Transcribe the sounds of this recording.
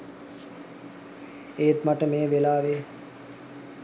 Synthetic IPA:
eːt̪maʈəmeːʋelaːʋeː

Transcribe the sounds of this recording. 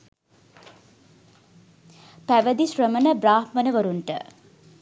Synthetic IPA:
pæʋəd̪iʃɾəmənəbraːhmənəʋəɾuɳʈə̰

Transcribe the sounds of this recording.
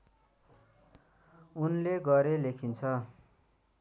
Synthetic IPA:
unleɡʌɾelekʰint͡sʰʌ

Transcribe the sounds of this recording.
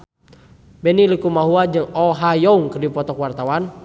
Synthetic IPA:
bɛnilikumaɦuad͡ʒɨŋɔɦajɔuŋkərdipɔt̪ɔkwart̪awan

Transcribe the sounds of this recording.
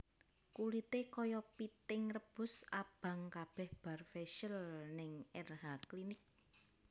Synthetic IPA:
kulit̪ekɔjɔpit̪ɪŋrəb̥ʊ̤sab̥a̤ŋkab̥ɛ̤hb̥a̤rfeʃəlnɪŋɛrɦaklinɪk̚

